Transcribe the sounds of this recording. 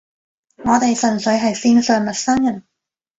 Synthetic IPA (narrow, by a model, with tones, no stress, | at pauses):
ŋɔː˨˧t̪e˨jsɵ˨˩nsɵ˨˥ɥɦɐ˨jsiː˧nsœː˨ŋmɐ˨t̚sɐ˥ŋjɐ˨˩n